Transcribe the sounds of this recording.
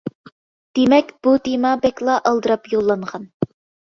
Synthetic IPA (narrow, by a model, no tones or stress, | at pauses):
d̪̥emɛkʲb̥ut̪ʰemɑbɛkʲlˠɑʔɑlˠd̪ɨɾɑpjolˠːɑɴʁɑn